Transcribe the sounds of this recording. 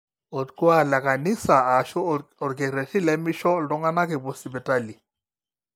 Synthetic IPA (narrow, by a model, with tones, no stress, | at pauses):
ɔ˨tku˦a˦˨la˨ka˨ni˦sa˨a˨ʃɔ˦ɔ˨ɡɛ˨ɾɛ˨ti˦lɛ˦mi˦ʃɔ˦ldɔ˦ŋɡa˦na˦kɛ˨bo˨si˨bɛ˨ta˦li˨